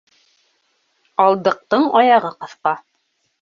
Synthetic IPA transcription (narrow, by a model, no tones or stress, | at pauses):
ɑlˠd̪ɤ̆q̚t̪ɤɴɑjɑʁɤqɤ̆θqɑ